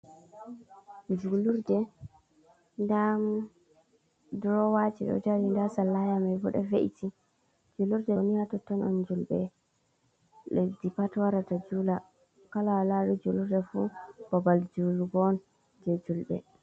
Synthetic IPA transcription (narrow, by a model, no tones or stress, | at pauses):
d͡ʒuluɾdɛ | ndam | dɾɔwad͡ʒiɗɔ̰taɾindasalːajamajbɔ̰ɗɔvḛʔitʰi | d͡ʒuluɾdɛnijatɔtːɔnɔ̰nd͡ʒulbɛ | ɗedipatwaɾatad͡ʒula | kalawalaɗud͡ʒuluɾdɛfṵb̥abald͡ʒuluɡɔn | d͡ʒɛd͡ʒulɗɛ̰